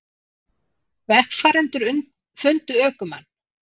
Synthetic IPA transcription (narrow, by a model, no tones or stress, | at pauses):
vɛhkfaːɾɛnt̪ʏɾʏn | fʏnt̪ʏœːkʏma̰nː